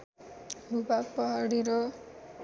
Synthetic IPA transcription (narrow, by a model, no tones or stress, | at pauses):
bʱubak̚pʌɦaɽiɾʌ